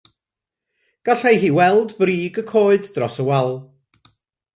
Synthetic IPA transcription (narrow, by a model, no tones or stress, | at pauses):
ɡ̥aɬajɦiːwɛlˠdbriːɡəkʰoːɨddrɔsəwɛlˠ